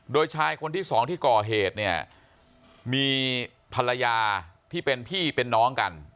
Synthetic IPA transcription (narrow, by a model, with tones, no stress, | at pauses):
doː˧jt͡ɕʰaː˧jkʰo˧nt̪ʰiː˥˩sɔː˩˦ŋt̪ʰiː˥˩kɔː˨˩ɦeː˨˩t̪̚ni˥˩ɐ | miː˧ | pʰa˧la˧jaː˧t̪ʰiː˥˩pe˧npʰiː˥˩pe˧nːɔː˦˥ŋka̰˧n